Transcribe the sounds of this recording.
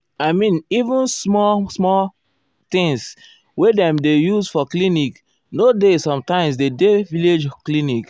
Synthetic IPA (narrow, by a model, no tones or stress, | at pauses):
aɪmĩnivũnsmɔsmɔ | t̪ĩŋs | wedɛ̃mdejusfɔklinik | nodesɔ̃mtãɪ̃ms̬dedeviled͡ʒklinik